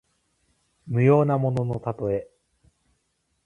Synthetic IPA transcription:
mɯ̟jo̞ːnamo̞no̞no̞t̪at̪o̞e̞

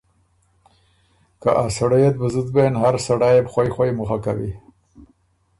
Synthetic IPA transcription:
ka̰ʔasaɽajet̪̚bəzud̪benhaɾsaɽajepxwajxʷwajmʊxakawḭ

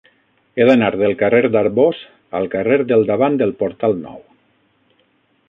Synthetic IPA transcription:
eðanaɾðelˠkareɾd̪aɾβoz | a̰lˠkareɾd̪elˠd̪aβand̪elˠpoɾt̪alˠnɔ̰w

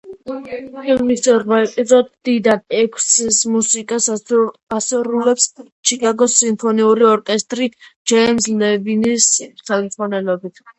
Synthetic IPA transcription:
ɛlmisɔɾmaɛpʼizɔd̪d̪id̪anɛkʰssmusikʼasasuɾulɛps | t͡ʃʰikʼaɡɔsimpʰɔniuɾiɔɾkʼɛst̪ʼɾid͡ʒɛmslɛvinissʰalsʼanɛlɔbit̪ʰ

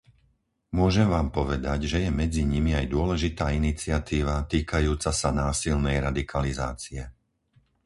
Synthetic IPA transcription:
mʊɔʒɛmʋaːmpɔʋɛd̪aɟʒɛjɛmɛd͡ziɲimiajd̪ʊɔlɛʒit̪aːinit͡sɪat̪iːʋat̪iːkajuːt͡sasanaːsilnɛjɾad̪ikʰaliza̰ːt͡siɛ

